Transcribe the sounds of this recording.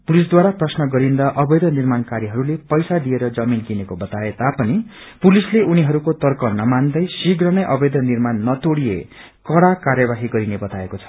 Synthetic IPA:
pulis̬d̪waɾaprʌsnʌɡʌɾind̪ʌʔʌbʌjd̪ʌnirmankaɾiɦʌɾulepʌjsad̪ieɾʌd͡zʌminkinekobʌt̪aet̪apʌni | pulisleʔuniɦʌɾukot̪ʌrkʌnʌmand̪ʌjsiɡrʌnʌjʔʌbʌjd̪ʌnirmanːʌt̪oɽijḛ | kʌɽakarjʌbaɦiɡʌɾinebʌt̪aekot͡sʰʌ̥

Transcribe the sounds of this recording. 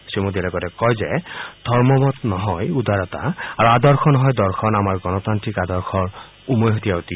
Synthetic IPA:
simud̪ilɔkɔɾɛkɔjzɛd̪̥ʱɔɹmɔmɔt̪nɔɦɔjud̪aɹɔt̪a̰aɹuadɔɹxʰɔnɔɦɔjd̪ɔɹkʰɔnamaɹɡɔnɔtantɹikad̪ɔɹxʰɔɹ | umɔjɦot̪ijaut̪i

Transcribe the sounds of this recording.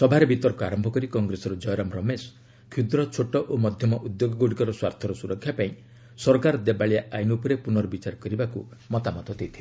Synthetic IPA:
sɔbʱaɾebʱit̪ɔɾkɔaɾɔmbʱɔkɔɾikɔŋɡɾesɔɾɔd͡ʒɔjɾɔmɾɔmes | kʰud̪ɾɔt͡ʃʰoʈɔʔomɔd̪ʱjɔmɔʔud̪joɡɔɡoɽikɔɾɔswaɾt̪ʰɔɾɔsuɾɔkʰːjapaĩ | sɔɾkaɾɔd̪ebaɭijaajnupɔɾepunɔɾɔbit͡ʃaɾɔkɔɾibakumɔt̪amɔt̪ɔd̪ejt̪ʰile

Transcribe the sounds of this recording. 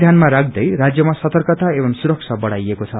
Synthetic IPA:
d̪ʱjanmaɾak̚ʰd̪ʌjɾad͡zjʌmasʌt̪ʌrkʌt̪aebʌmsuɾʌk̚sʰabʌɽajekot͡sʰʌ

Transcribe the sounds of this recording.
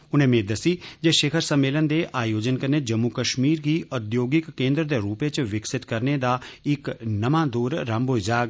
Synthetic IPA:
ʊnẽːmẽːd̪əsiːd͡ʒeːʃeːkʰəɾsəmːeːlənd̪eːʔaːjoːd͡ʒənkəɾneːd͡ʒəmːukəʃmiːɾɡiːʔʊd̪joːɡɪkːẽːnd̪ɾd̪eːɾuːpeːt͡ʃʋɪksɪt̪kəɾneːd̪aːɪknəmãːd̪oːɾːə̃mbɦoːid͡ʒaːɡ

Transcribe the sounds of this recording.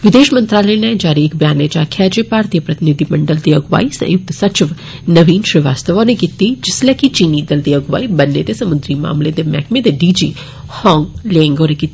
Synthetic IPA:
ʋɪd̪eːʃmə̃nt̪ɾaːləned͡ʒaːɾiːkbjaːnet͡ʃaːkʰjaːd͡ʒepaːɾt̪ijəpɾɐt̪ɪnid̪ʱimɐɳɖəld̪iɐɡʋa̰ːisɐ̰̃jʊk̚t̪sɐt͡ʃɪʋ | nɐʋiːnʃɾɪʋa̰ːst̪əʋonekit̪ːid͡ʒɪslɛkit͡ʃiːnid̪ɐld̪iɐɡʋa̰ːibɐnːḛt̪esɐmʊnd̪ɾima̰ːmled̪emɛ̰ːkʰmed̪eɖiːd͡ʒḭː | hɔ̃ːŋɡlẽŋɡoːɾekit̪ːi

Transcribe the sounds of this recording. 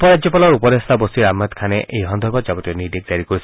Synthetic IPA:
pɔɹad͡ʒzɔpalɔɹupɔd̪est̪ʰabost̪iɹamːat̪kʰanɛʔejɦɔnd̪ʱɔɹbɔzabɔt̪iɛniɹd̪ik̚d͡ʒaɹikoɹis

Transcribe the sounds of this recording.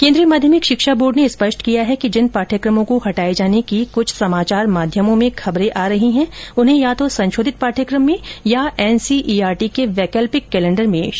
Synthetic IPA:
kẽːnd̪ɾijəmaːd̪ʱjəmɪkʃɪkʃaboːɾɖneɪspɐʃʈkijaɦɛkid͡ʒɪnpaːʈʰjəkɾəmõkohɐʈaːed͡ʒaːnekikʊt͡ʃʰsɐmaːt͡ʃaːɾmaːd̪ʱjəmõmẽxʰɐbɾẽʔaːɾɐɦiɦɛ̃ʊnɦẽjat̪osɐ̃nʃoːd̪ʱɪt̪̚paːʈʰjəkɾəmːẽjaɛːnsiʔiːaːɾʈikeʋɛːkɛːlpɪkːɛːlɛ̃ɳɖəɾmẽːʃ

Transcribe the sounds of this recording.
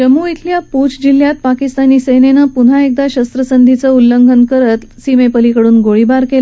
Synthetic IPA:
d͡ʑəmuit̪ʰljaput͡sd͡ʑilːjat̪̚pakist̪aniːsəjnenəpun̤aek̚d̪aɕəst̪ɾəsənd̪ʱit͡səulːəŋɡʱənkəɾət̪simepəlikəɽuːnɡoɭibaɾkel

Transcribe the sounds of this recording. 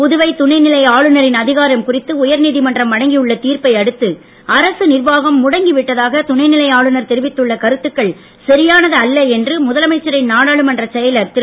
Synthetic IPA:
pʊðɯʋɐɪt̪ʊɳɐɪnɪlɐjaːɭɯnɐɾɪnɐðɪɣaːɾɐmkʊrɪt̪ːɯʊjɐɾniːðimɐndrɐmʋɐɽɐŋɡijɯɭːɐt̪iːɾpɐɪɐɽɯt̪ːɯ | ɐɾɐsɯnɪrʋaːɣɐmːʊɽɐŋɡɪʋɪʈːɐðaːɣɐt̪ʊɳɐɪnɪlɐjaːɭɯnɐɾt̪ɛɾɪʋɪt̪ːɯɭːɐkɐɾɯt̪ːɯkːɐɭ | sɐɾɪjaːnɐðɯɐlːɐɛndrɯmʊðɐlɐmɐɪt͡ʃːɐɾɐɪnnaːɽaːɭɯmɐndrɐt͡ʃɛjɐlɐɾt̪ɪɾ

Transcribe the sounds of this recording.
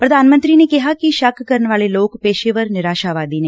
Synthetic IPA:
pɾəd̪aːnmə̃nt̪ɾiːneːkɪɦaːkiʃəkʰkəɾənʋaːleloːkpeːʃeːʋəɾnɪɾaːʃaːʋaːd̪iːneː

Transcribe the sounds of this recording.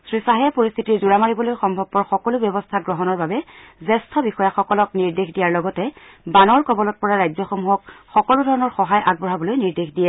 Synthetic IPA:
sɹisaɦijapoɹist̪ʰitiɹzuɹamaɹibɔlojxɔmbʱɔb̚pɔɹxɔkɔlʊbjɔbɔstʰaɡɹɔɦɔnɔɹbabɛzɛstʰɔbixɔjaxɔkɔlɔkniɹdexdijaɹlɔɡɔtɛ | banɔɹkɔbɔlɔt̚pɔɹaɹajzɔxɔmuɦɔkxɔkɔlʊdʱɔɹɔnɔɹxɔɦajʔaɡ̚bɔɹabɔlojniɹdexdijɛ

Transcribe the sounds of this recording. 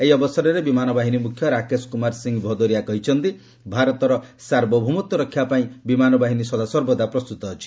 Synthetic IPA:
eiɔbɔsɔɾɔɾebimanɔbaɦinimukʰjɔɾakeskumaɾsiŋɡbʱɔd̪ɔɾiakɔɦit͡ʃʰɔnt̪i | bʱaɾɔt̪ɔɾɔsaɾbɔbʱumut̪ɔɾɔkʰibapaĩbimanɔbaɦinisɔd̪asɔɾbɔd̪apɾɔst̪ut̪ɔɦɔt͡ʃʰi̥

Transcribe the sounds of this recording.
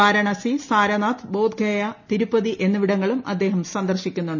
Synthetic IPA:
aːɾɐɳɐsisaːɾɐnaːt̪bo̞ːd̪ɡʱɐjɐt̪iɾupːɐðiʔe̞nːɨʋiɽɐŋːɐɭumʔɐ̰d̪ːe̞ːɦɐmsɐnd̪ɐrɕikʲːunːuɳɖɨ

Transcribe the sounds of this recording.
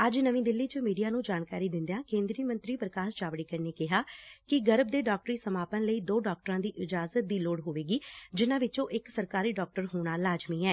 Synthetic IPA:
əd͡ʒnəʋĩːd̪ɪlːiːt͡ʃəmiːɖijaːnũːd͡ʒaːnkaːɾiːd̪ɪ̃nd̪jãːkẽːnd̪ɾiəmənt̪ɾiːpɾəkaːʃt͡ʃaːʋɽiːkəɾneːkɪɦaːkɪɡəɾb̚d̪eːɖɔːk̚ʈəɾiːsəmaːpənləiːd̪oːɖɔːk̚ʈɾãːd̪iːʔɪd͡ʒaːzət̪̚d̪iːloːɽɦoːʋeːɡiːd͡ʒɪnãːʋɪt͡ʃõːʔɪksəɾkaːɾiːɖɔːk̚ʈəɾɦoːɽ̃aːlaːd͡ʒmiːɛː

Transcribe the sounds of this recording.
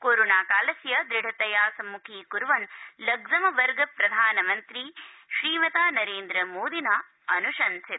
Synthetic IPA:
koːɾoːnaːkaːlɐsjɐd̪ɾɪɽ̤ʱɐt̪ɐjaːsɐmːukʰiːkuɾʋɐnlɐɡzɐmɐʋɐɾɡɐpɾɐd̪ʱaːnɐmɐnt̪ɾiʃɾiːmɐt̪aːnɐɾeːnd̪ɾɐmoːd̪inaː | ɐnuʃɐnsi

